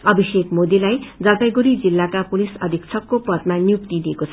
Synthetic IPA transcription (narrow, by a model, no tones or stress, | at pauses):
ʌbʱisekmod̪elajd͡zʌlpajɡuɾid͡zilːakapulisʌ̰d̪ʱikt͡sʰʌkːopʌt̪manjuk̚t̪id̪iekot͡sʰʌ